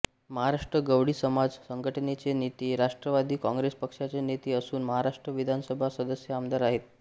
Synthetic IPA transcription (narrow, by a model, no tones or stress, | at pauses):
məɦaɾaʂʈɾəɡəʋɽiːsəmad͡zsəŋɡʱəʈənet͡senit̪iɾaʂʈɾəʋad̪ʱiːkãŋɡɾespəkʂat͡senit̪iːəsuːnməɦaɾaʂʈɾəʋid̪ʱansəbʱasəd̪əsjəamd̪aɾaɦet̪